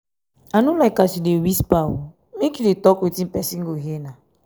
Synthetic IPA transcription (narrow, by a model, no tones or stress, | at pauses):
anulaikasidewispawṵ | mekidetɔkotim̩pɛsiŋ̩ɡoɦena